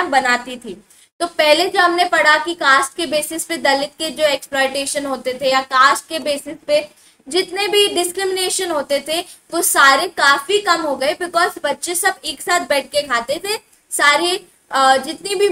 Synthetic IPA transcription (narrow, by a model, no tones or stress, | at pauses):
bɐnaːt̪it̪ʰiː | t̪oːpɛɦled͡ʒoːɦɐmnepɐɽ̤akikaːsʈ̚kebeːsɪsped̪ɐlɪt̪̚ked͡ʒoːɛksplɔːɪʈeːʃənɦoːt̪et̪ʰejakaːsʈ̚kebeːsɪspe | d͡ʒɪt̪nebʱiɖɪskɾɪmɪneːʃənɦoːt̪et̪ʰe | ʋosaːɾekaːfikɐmɦoɡɐebɪkɔːzbɐtːʃesɐbeːksaːt̪̚ʰbɛːʈ̚ʰkekʰaːt̪et̪ʰe | saːɾe | d͡ʒɪt̪nibʱi